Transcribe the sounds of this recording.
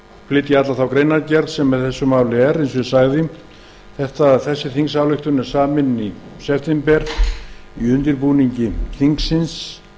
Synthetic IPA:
flɪt̪jɪat̪laθawkɾejnaɾcɛɾðsɛmːɛðθɛsːʏmaːwlɪɛɾensvɪsaːɣðɪ | θɛht̪aθɛsːɪθiŋksawlʏxt̪ʏnɛɾ̥saːmɪnisɛft̪ɛmpɛɾ̥iʏnt̪ɪɾpuniɲcɪθiŋksːɪns

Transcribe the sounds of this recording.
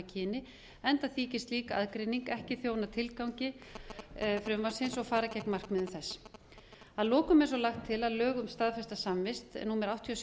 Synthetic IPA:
acʰɪːnɪ | ɛnt̪aθiːcɪst̪liːkaʔaðkɾejniŋkɛhcɪθjoːwnat̪ʰɪlkawɲcɪ | fɾʏmvḁsɪnsɔɣfaːɾacɛknmar̥kmɪðʏmθɛsː | aðlɔːkʏmɛ̃ns̬ɔlaxt̪ʰːɪlaðlœːɣʏmst̪aːðfɛst̪asamvɪst̪ɛ̰nːumɛɾawht̪ʰːiɔs

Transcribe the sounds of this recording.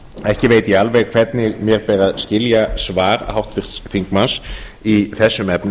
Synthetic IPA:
ɛhcɪveːjt̪ialvɛɣkʰv̥ɛt̪nɪɣmjɛɾpɛːɾaðscɪljasvaːɾhawht̪fɪr̥sfiŋkmans | iθɛsːʏmɛpnʏ

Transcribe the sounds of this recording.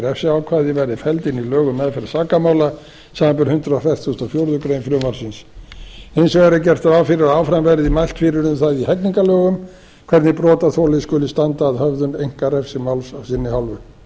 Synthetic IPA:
ɾɛfsɪawkʰvaːðɪvɛɾðɪfɛlt̪ɪnilœːɣʏmːɛðfɪɾɪ̥saːkamaːwla | saːmampɪɾhʏnt̪ɾaafɛr̥t̪θust̪ɔfjowɾðʏkɾejmfɾʏːmaɾ̥sɪns | ejnsɔɣɛɾɪcɛr̥t̪avaːwfɪɾɪɾaaːwfɾamvɛɾðimajl̥t̪fiːɾɪɾʏmθaðihɛkniŋkalœːɣʏm | kʰvɛɾt̪nɪpɾɔːt̪aθʰɔːlɪskʏːlɪst̪ant̪aːðhœvðʏnejŋ̥kaɾɛfsɪmawlsawsɪnːɪhalvʏ

